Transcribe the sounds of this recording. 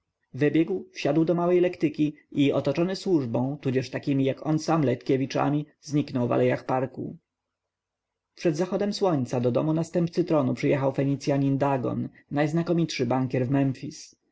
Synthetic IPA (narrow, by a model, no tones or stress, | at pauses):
vɘbʲjɛɡwfɕad̪wd̪ɔmawɛjlɛkt̪ɘkʲiʔiɔt̪ɔt͡ʂɔnɘswuʐbɔ̃w̃t̪ud͡ʑɛʂt̪akʲimʲijakɔnsamlɛt̪kʲɛvʲit͡ʂa̰mʲi | zɲiknɔwva̰lɛjaxpaɾkṵ | pʂɛd̪zaxɔd̪ɛmswɔɲt̪sad̪ɔd̪ɔ̰munast̪ɛmp̚t̪sɘt̪ɾɔnupʂɘjɛxawfɛɲit̪sjaɲind̪aɡɔ̰nː | ajznakɔmʲit̪ʂɘbaŋkʲjɛɾvmɛmfʲis